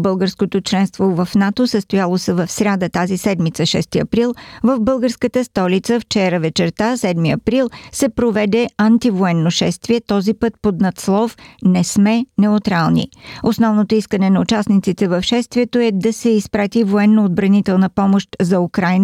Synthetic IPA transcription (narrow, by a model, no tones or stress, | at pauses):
bəlˠɡəɾskot̪ot͡ʃlɛnst̪vovɐfnat̪osəst̪ojalˠosɛvɐfsɾʲad̪ət̪azisɛd̪mit̪səʃɛst̪iɐpɾilˠvəvbɤlˠɡəɾskət̪əst̪ɔlit̪səft͡ʃɛɾəvɛt͡ʃɛɾt̪asɛd̪miɐpɾilˠsɛpɾovɛd̪ɛɐnt̪ivoɛnːoʃɛst̪viɛt̪ɔzipɤt̪̚pod̪nɐt̪slˠɔfnɛsmɛnɛʊt̪ɾalˠnḭosnɔvnot̪oiskənɛnɐut͡ʃasnit̪sit̪ɛvɐfʃɛst̪viɛt̪oɛd̪ɐsɛispɾat̪ivoɛnːood̪̚bɾɐnit̪ɛlˠnəpɔmoʃt̪zɐukɾajn